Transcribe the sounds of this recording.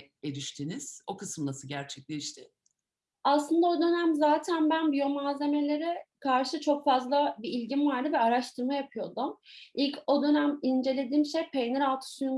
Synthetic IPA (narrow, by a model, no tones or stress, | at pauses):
eɾiʃt̪ʰiniz̥o̞kɯsɯmlˠasɯɟæɾt͡ʃʰɛc̚lʲɛʃt̪ʰɪ | aslˠɯnd̪ao̞d̪ø̞næmzaːt̪ʰænbænbyjomaːze̞me̞lʲe̞ɾɛkʰaɾʃɯt͡ʃʰo̞kfazlˠabiilʲɟinvaɾd̪ɯbɛaɾaʃt̪ʰɯɾmajapʰɯjo̞d̪umʔilʲcʰo̞d̪ø̞næmind͡ʒe̞lʲe̞d̪iːmʃepʰejneɾalt̪ʰɯ̥sujun